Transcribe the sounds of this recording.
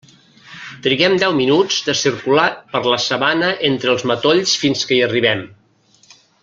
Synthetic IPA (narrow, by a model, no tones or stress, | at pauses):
t̪ɾiɣɛmd̪ɛwminud͡zd̪əsiɾkulapəɾləsəβanəʔent̪ɾəlˠzmət̪oʎsfinskəiəriβɛm